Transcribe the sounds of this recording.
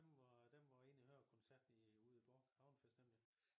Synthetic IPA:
emʋd̥emʋɒe̝̰ːnihøɐkʰɔnsæɐ̰d̥n̩uð̰ˠib̥ɒːɡ̥hɑ̈ʊnfesd̥emliŋ

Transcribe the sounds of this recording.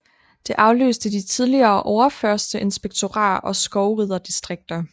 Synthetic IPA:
d̥e̝ʔɑ̈ʊlø̰ːsd̥əd̥it͡sʰið̞ˠliɐːʔɒʊɐfɶɐsd̥əʔe̝nsb̥eɡ̥̚t͡sʰo̝ʁɑ̰̈ːɒ̽sɡ̥ɒʊʁið̞ˠɐd̥isd̥ʁeɡ̥̚d̥ɐ

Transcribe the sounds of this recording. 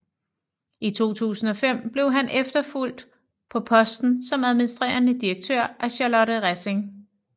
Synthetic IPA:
it͡sʰo̝̰ːt͡sʰṵːsn̩ɒ̽fem̰b̥le̝ʊɦænʔefd̥ɐful̰d̥ | pʰɒ̽pʰɒ̽sd̥n̩sɒ̽mæð̞ˠminisd̥ʁḛːɐnəd̥ieɡ̥̚t͡sʰøɐ̰ʔæɕɑlɒ̽ɾəʁase̝ŋ

